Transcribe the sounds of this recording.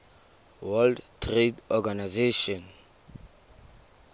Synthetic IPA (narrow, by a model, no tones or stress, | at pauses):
wɛldtʰretɔɡanajzeʃɔ̃n